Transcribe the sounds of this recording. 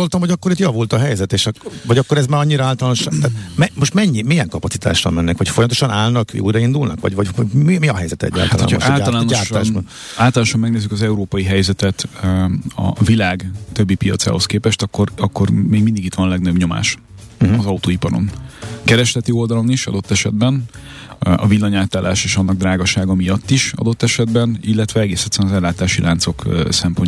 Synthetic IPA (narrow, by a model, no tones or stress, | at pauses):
olt̪ɒmɦo̞ɟɒkːo̞ɾit̪jɒvult̪ɒɦɛjzɛt̪eːʃɒvɒɟɒkːoɾɛzmaːɾɒɲːiɾɒaːlt̪ɒlːnoʃt̪aːt̪mɛmo̞ʃt̪mɛɲːimijɛŋkɒpɒt̪si̥t̪ʰa̰ːʃrɒ̰mɛnːɛkʋɒcfo̞jɒmt̪oʃɒnaːlnɒkjṵjɾɒind̪ulnɒ̰kʋɒ̰ɟvɒɟmimiɒɦɛjzɛt̪ɛ̰ɟːa̰lat̪llo̰n̰ʰaːlɔlaːnaːʃaːʒbɒn | aːlt̪ɔlaːnʃɒmːɛɡneːzːykɒzɛuɾoːpɒjiɦɛjzɛt̪ɛt̪ | ɒ̰vilaːɡt̪ø̞bːipijɒ̰t̪sa̰ːɦo̞skeːpɛʃt̪ɒkːo̞rɒkːo̞rmeːɡmind̪iɡit̪ʋɒnlɛɡnøbɲo̞ma̰ːʃ | ɒzɒut̪oːipɒɾo̰nkɛɾɛʃlɛt̪io̞ld̪ɒlo̞niʃɒ̰d̪o̞t̪ːɛʃɛd̪̚bɛn | ɒ̰vilːɒɲaːt̪aːlaːʃeːʃɒnːɒɡ̚d̪raːɡɒʃaːɡɒmijɒt̪ːiʃɒ̰d̪o̞t̪ːɛʃɛd̪bɛnilːɛt̪ʋɛɛɡeːsɛt̪sɛnzɛlːaːt̪aːʃilʔaːnt̪so̞ksɛmpo̞ɲ